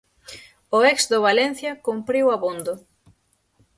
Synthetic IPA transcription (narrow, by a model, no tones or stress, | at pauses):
ʊɛksd̪ʊβalɛn̟θjɐkompɾiwaβond̪ʊ